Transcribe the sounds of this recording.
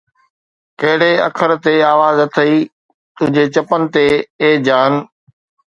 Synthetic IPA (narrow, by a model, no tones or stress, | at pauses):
kɐɦɪɽ̤eɐ̰kʰəɾt̪eaːʋaːzɐt̪ʰɐiː | t̪ʊ̃ɦɪ̃ɲd͡ʑet͡ɕɐpənɪ̆t̪eeːd͡ʑaːn̆